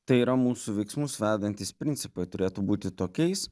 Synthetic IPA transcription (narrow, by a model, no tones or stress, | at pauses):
t̪ɐɪiːɾɐmuːsuʋʲɛɪksmʊsʋʲæːd̪ɐnʲt̪ʲɪspʲɾʲɪnʲt̪sʲɪpɐɪt̪ʊɾʲeːt̪ubuːt̪ʲɪt̪oːkʲɛɪs